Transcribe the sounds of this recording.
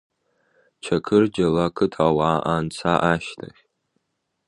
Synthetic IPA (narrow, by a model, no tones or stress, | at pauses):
t͡ʃʰɐkʰɨrd͡ʒɐlakʰɨtʰawaːʔant͡sʰaʔaʃtʰa̰χʲ